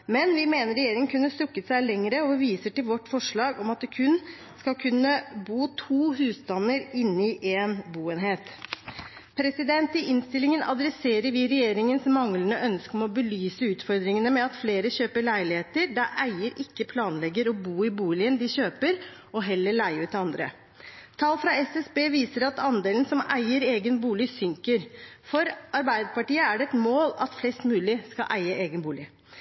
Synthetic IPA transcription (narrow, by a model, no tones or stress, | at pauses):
mɛnʋɪmeːnəɾɛjeːɾɪŋəŋkʰʉnːəst̪ʉkːət̪sæɪlɛŋəɾəɔʋiːsəʈɪlʋɔʈːfɔʂɭɑːɡɔmɑt̪̚d̪ɛkʰʉn | skɑlkʰʉnːəbuːt̪ʰuːɦʉːsd̪ɑnːəɾɪnːɪʔɛnbuːɛnɦeːt̪ | pʰɾɛsɪd̪ɛnt̪ɪʔɪnst̪ɪlɪŋənɑ̰d̪ɾɛseːɾəɾʋɪɾɛjeːɾɪŋənsɔmɑŋlənəʔœnskəɔmɔbəlyːsəʉːt̪fɔɾd̪ɾɪŋənəmɛɑt̪fleːɾəɕøːpəɭæɪlɪheːt̪əɾd̪æʔæɪəɾɪkːəpʰlɑːnlɛɡəɾɔbuːɪbuːlɪənd̪ɪçøːpəɾ | ɔɦɛlːəɭæɪʉt̪ɑnd̪ɾə̰ | t̪ʰɑlfɾɑɛsɛsbeːʋiːsəɾɑt̪ɑnd̪eːln̩sɔmæɪəɾeːɡənbuːlɪsʏŋkəɾfɔɾɑɾbæɪd̪əpɑʈiːəæɖɛɛt̪moːlɑt̪flɛst̪mʉːlɪskɑʔæɪəʔeːɡənbuːlɪ